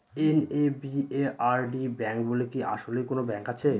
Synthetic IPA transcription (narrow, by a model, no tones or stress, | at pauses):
enebieaɾɖibɛŋk̚bolekiʔa̰ʃolejkonobɛŋkat͡ɕʰe